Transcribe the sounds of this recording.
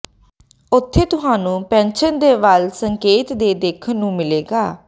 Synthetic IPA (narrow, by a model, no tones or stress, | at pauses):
ʊt̪ʰːeːt̪ʊɦaːnũːpɛ̃ːnʃənd̪eːʋəlsəŋkeːt̪d̪eːd̪eːkʰəːũːmɪleːɡaː